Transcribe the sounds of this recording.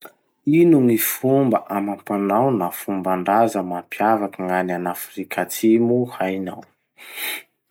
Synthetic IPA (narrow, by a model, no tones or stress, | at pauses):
inuŋifumbəʔamampanawnafumbaɳɖ͡ʐazəmampjavakaŋananafrikʰat͡simuhajnaw